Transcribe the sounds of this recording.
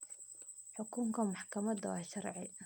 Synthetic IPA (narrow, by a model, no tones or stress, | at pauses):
ħʊkʰʊŋkʰɐmɑħkʰɐmɐd̪wɑ̰ːʃɑrʕɪ